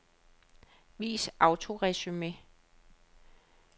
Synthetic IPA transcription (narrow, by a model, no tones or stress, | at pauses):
ʋḭːsʔɑ̈ʊt͡sʰo̝ʁɛsyme